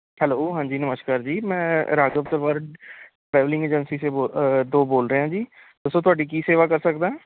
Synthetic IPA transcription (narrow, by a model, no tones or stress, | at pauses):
hɛːloːɦãːɲd͡ʒiːnəməʃkaːɾd͡ʒiːmɛ̃ːɾaːɡəpt̪əɾʋaːɾ | ʈɾɛːʋlɪ̃ŋɡeːd͡ʒənsiːsebod̪oːboːlɾəeɦãːd͡ʒiː | d̪ʊsõːt̪ʊaːɖiːkiːseːʋaːkəɾsəkd̪aːɦɛ̃ː